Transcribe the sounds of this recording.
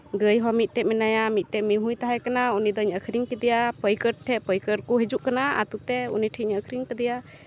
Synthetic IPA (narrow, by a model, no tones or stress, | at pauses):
ɡəjɦɔmit̪̚ˀʈɛʔ̚mɛnajamit̪̚ˀʈɛʔmiɦujt̪aɦajkanaunid̪ɔiɲəkʰɾiŋkəd̪ɛjapəjkəɾ̚ʈʰɛʔpəjkəɾkuɦɛd͡ʒuʔkanaa̰t̪ut̪ɛṵniʈʰiɲəkʰɾiŋkəd̪ɛja